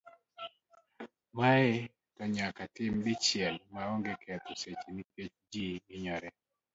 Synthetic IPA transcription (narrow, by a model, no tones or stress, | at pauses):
maɪ | tɔɲakatɪmdɪt͡ʃɪɛlmaɔŋɡekʰɛt̪oset͡ʃniket͡ʃd͡ʒiɡɪɲɔɾɛ